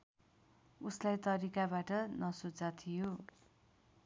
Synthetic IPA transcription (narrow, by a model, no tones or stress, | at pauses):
uslajt̪ʌɾikabaʈʌnʌsud͡zat̪ʰijo